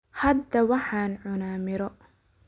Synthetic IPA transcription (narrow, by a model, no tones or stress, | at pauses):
hɐd̪ɐwɑħɑːnʕʊnaːmɪɾɔ